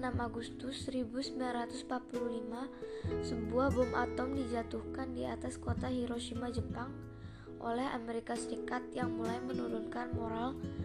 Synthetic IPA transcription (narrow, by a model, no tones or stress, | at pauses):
namaɡust̪usːəɾibusəmbilanɾat̪uspat̪̚pululimasəbuahbɔmʔa̰t̪ɔmdid͡ʒat̪uhkandiat̪askot̪aɦiɾoʃimad͡ʒəpaŋ | ʔo̰lɛɦa̰meɾikasəɾikat̪̚jaŋmulajmənuɾunkanmoɾal